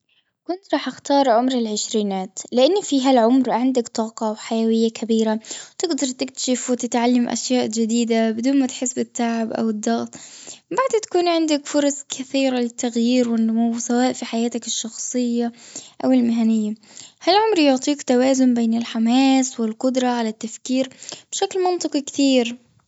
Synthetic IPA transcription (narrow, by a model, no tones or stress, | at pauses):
kʊnt̪ɾˤɑːħʔaxt̪ɑːɾˤʕʊmɾɪlʕɪʃɾiːnaːt̪lɪʔɪnːfiɦalʕʊmɾʕɪnd̪akt̪ˤɑːqɑwħajawɪjːakʰabiːɾat̪ɪɡd̪ɑɾˤt̪ɪk̚t̪ḁʃɪfwɪt̪ɪt̪ʕalːamʔa̰ʃjaːʔd͡ʒɪd̪iːd̪abɪd̪uːnmat̪ħɪsːbɪt̪ːaʕɪbʔa̰wɪd̪ːɑɣt̪ˤbaʕd̪t̪ḁkuːnʕɪnd̪akfʊɾˤɑsˤkʰɪθiːɾalɪt̪ːaɣjiːɾwɪnːʊmuwːsawaːʔfiħajaːt̪akɪʃːɑxsˤɨjːaʔawɪlmɪɦanɪjːa | halʕʊmɾjʊʕt̪ˤiːkt̪awaːzʊmbeːnɪlħamaːswɪlqʊd̪ɾˤɑʕalat̪ːafkiːɾb̥ʃaklmɑnt̪ˤɨqikt̪iːɾ